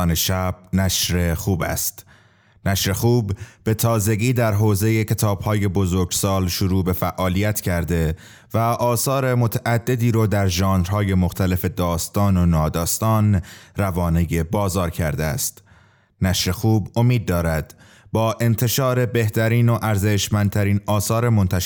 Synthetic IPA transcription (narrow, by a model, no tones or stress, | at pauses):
neʃæb̥̚næʃɾe̞xuːbæ̰st̪ | næʃɾe̞xuːb̥ːe̞t̪ʰɒːze̞ɡiːd̪æɾɦoːze̞je̞cʰe̞t̪ʰɒːb̥hɒːje̞bo̞zoɾɡsɒːlʃoɾuːbe̞fæʔɒːlijæt̪ʰcʰæɾd̪e̞ | væʔɒːsɒːɾemo̞t̪ʰæʔæd̪ːe̞d̪iːɾɒːd̪æɾʒɒːnɾhɒːje̞mo̞xt̪ʰæle̞fe̞d̪ɒːst̪ɒːnonɒːd̪ɒːst̪ɒːnrævɒːnejebɒːzɒːɾcʰæɾd̪eæ̰st̪ | næʃɾe̞xuːbo̞miːd̪̚ːɒːɾæd̪̥ | bɒːʔe̞nt̪ʰe̞ʃɒːɾe̞be̞ht̪ʰæɾiːno̞ʔæɾzeʃmænd̪̚t̪ʰæɾiːnɒːsɒːɾemo̞nt̪ʰæʃ